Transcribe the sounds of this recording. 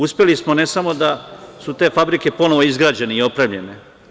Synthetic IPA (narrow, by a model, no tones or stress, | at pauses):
uspʲjelismone̞samo̞d̪asut̪e̞ːfabɾike̞po̞noʋo̞izɡɾaːd͡ʑe̞neio̞pɾeːmʎe̞ne̞